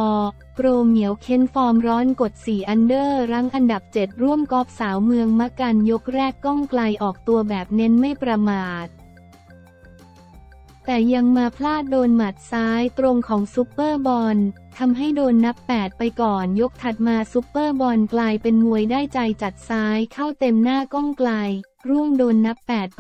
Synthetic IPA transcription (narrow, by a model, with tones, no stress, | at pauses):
kɾoː˧mːi˩˦əwkʰe˦˥nfɔː˧mɾɔː˦˥nko˨˩t̪̚siː˨˩ʔa˧ndɤː˥˩ɾa˦˥ŋʔa˧nda˨˩p̚t͡ɕe˨˩t̪̚ɾu˥˩əmkɔː˦˥p̚saː˩˦wmɯ˧əŋma˦˥ka˧njo˦˥k̚ɾɛː˥˩kːɔ˥˩ŋkla˧jʔɔː˨˩k̚t̪u˧ɐbɛː˨˩p̚ne˦˥nma˥˩jpɾa˧maː˨˩t̪̚ | t̪ɛː˨˩ja˧ŋmaː˧pʰlaː˥˩t̪̚doː˧nma˨˩t̪̚saː˦˥jt̪ɾo˧ŋkʰɔː˩˦ŋsu˦˥pːɤː˥˩bɔ˧n | t̪ʰa˧mɦa˥˩jdoː˧nːa˦˥pːɛː˨˩t̪̚pa˧jkɔː˨˩njo˦˥k̚t̪ʰa˨˩t̪̚maː˧suː˦˥pːɤː˥˩bɔ˧nklaː˧jpe˧nmu˧əjdaː˥˩jt͡ɕa˧jt͡ɕa˨˩t̪̚saː˦˥jkʰa˥˩wt̪e˧mnaː˥˩kɔ˥˩ŋkla˧j | ɾu˥˩əmdoː˧nːa˦˥pːɛː˨˩t̪̚